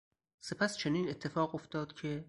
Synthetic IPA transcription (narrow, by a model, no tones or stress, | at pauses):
se̞pʰæst͡ʃʰeniːne̞t̪ʰːe̞fɒːɣo̞ft̪ɒːd̪̥cʰe̞